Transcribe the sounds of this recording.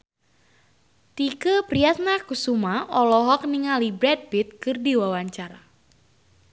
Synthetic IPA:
t̪ikəpɾiat̪̚nakusumaɔlɔɦɔk̚niŋalibɾɛd̚bit̪̚kɨrdiwawaɲt͡ʃaɾa̰

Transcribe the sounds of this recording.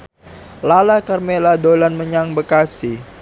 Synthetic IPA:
lalakərmeladolanməɲaŋbəkasi

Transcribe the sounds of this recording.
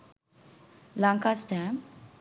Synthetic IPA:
laŋkasʈam

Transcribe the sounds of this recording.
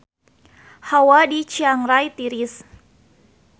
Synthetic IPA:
hawadit͡ʃiaŋɾajt̪iɾis

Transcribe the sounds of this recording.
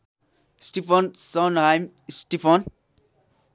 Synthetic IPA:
sʈipʰɔnsɔnɦajm | sʈipʰɔn

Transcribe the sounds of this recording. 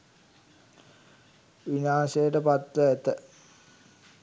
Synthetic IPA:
ʋiɲaːsejəʈəpat̪ʋəæt̪ə

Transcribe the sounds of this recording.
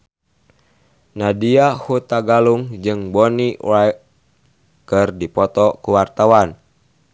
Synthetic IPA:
nadiahut̪aɡaluŋd͡ʒɨŋbɔniwaj | kɨrdipɔt̪ɔkuwart̪awan

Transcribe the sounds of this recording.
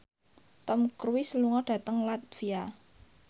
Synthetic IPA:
t̪ɔmkərwisəluŋɔɖ̥ä̤t̪əŋlat̪̚fia

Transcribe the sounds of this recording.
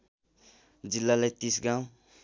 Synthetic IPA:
d͡zilːalajt̪isɡãw̃

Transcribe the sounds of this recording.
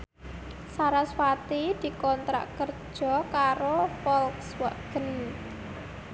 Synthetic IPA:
saɾaswat̪id̪̥i̤kɔnt̪ɾa̰ʔkər̥ʒ̥ɔ̤kaɾofɔlkswə̰ʔɡ̥əni

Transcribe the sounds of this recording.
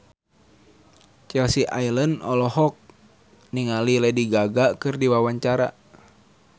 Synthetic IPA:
t͡ʃɛlsiʔailənɔlɔɦɔk̚ | niŋalilɛdiɡaɡakɨrdiwawaɲt͡ʃaɾa̰

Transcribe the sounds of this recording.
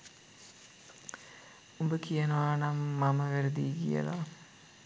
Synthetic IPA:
umbəkijənəʋaːnamːaməʋæɾed̪iːɡḭjə̰la̰

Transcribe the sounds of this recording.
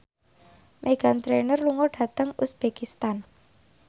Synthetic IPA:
mʔeɡ̥a̤nt̪ɾenərluŋɔɖ̥a̤t̪əŋusb̥ekist̪an

